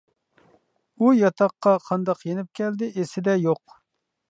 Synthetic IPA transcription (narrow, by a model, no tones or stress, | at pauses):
ujɑt̪ʰɑqːɑqʰɑnd̪ɑqjenɪp̚kʲʰɛld̪ɪʔesɪd̪ɛjoq